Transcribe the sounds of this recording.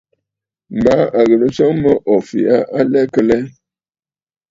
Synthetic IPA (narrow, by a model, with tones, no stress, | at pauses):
m̩˨ba˨˦a˨ɣə˨lə˦t͡ʃə˦ŋmə˦ʔɔ˨fḭ˨a˦ʔa˦lɛ˦kə˦lɛ˦